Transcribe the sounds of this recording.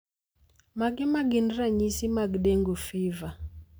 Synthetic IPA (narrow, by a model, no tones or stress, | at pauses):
maɡɛmaɡindɾaɲisimaɡɗɛŋɡufiva